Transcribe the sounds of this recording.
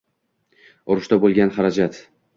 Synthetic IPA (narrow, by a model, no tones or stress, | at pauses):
ʊɾʊʃt̪abolˠɡʲanχɑɾad͡ʒat̪